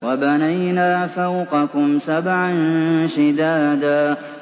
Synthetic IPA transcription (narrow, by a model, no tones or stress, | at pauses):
wabanajnaːfawqɑkʊmsabʕanʃɪd̪aːd̪aː